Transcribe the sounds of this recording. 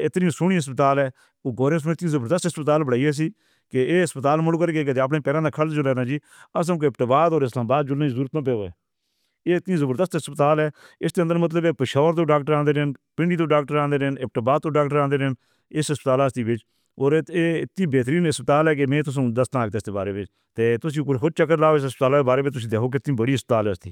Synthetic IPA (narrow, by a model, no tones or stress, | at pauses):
ɪt̪nĩːsʊniːɦəs̬pət̪aːlɛː | oːɡoːɾeːs̬mẽːɪt̪ĩːzəbəɾd̪əst̪əspət̪aːlbəɽaːiːɛːs̬iː | keeːɦəspət̪aːlmʊlkəɾːɡeːk̬ːd̪eːap̬nẽːpɛːɾãːd̪aːkʰəld͡ʒʊlɛːnãːd͡ʒiː | əs̬ə̃ːkɪpʈəbaːd̪oːɾɪslãːmbaːd̪d͡ʒʊlːaːĩzuːɾət̪nãːp̬eːoːɛ̰ː | eːt̪nĩːzəbəɾd̪əst̪əspət̪aːlɛː | ɪsd̪eːənd̪əɾmət̪ləbeːpəʃaːʋəɾt̪õːɖaːk̚ʈəɾãːnd̪eːɾɪnpɪɳɖiːd̪oːɖaːk̚ʈəɾãːnd̪eːɾnɪp̚ʈəbaːd̪̚t̪oːɖaːkʈəɾãːnd̪eːɾn | ɪsəspət̪aːlaːst̪iːbɪt͡ʃ | oːɾeːɪt̪ːĩːbeːt̪ɾiːnəspət̪aːlɛːk̬emẽːt̪ʊs̬ũːd̪əst̪ãːkd̪eːst̪eːbaːɾeːbɪt͡ʃ | t̪eːt̪ʊsĩːkoɦʊt͡ʃəkːəɾlaːosəspət̪aːlaːeːbaːɾeːbɪt͡ʃt̪ʊs̬ĩːd̪eːkʰoːk̬ɪɪt̪nĩːbəɽiːɦəspət̪aːlɛːəst̪ḭː